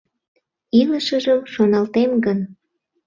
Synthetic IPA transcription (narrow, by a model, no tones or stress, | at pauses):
iləʃəʒəmʃonɑlt̪emɡən